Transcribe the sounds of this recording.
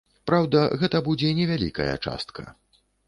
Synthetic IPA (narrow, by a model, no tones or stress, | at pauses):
pɾawd̪ɐɣɛt̪ɐbud͡zʲɛnʲɛvʲalʲḭkɐ̰jɐ̰t͡ʂa̰st̪kʰɐ